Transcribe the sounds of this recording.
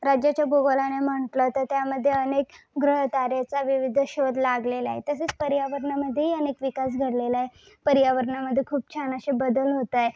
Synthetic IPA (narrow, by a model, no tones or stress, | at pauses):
ɾad͡ʑjat͡ɕjaboɡolanem̤əɳt̪lət̪ət̪jaməd̪ʱːjeənekɡɾəɦət̪aɾjet͡saʋiʋid̪ʱɕod̪laɡlela̰ɦḛt̪əset͡spəɾjaʋəɾɳaməd̪ʱːjeɦiənekʋikas̬ɡʱəɽlelaɦe | pəɾjaʋəɾɳaməd̪ʱːjekʰuːp̚t͡ɕʰanaɕebəd̪əlɦot̪aje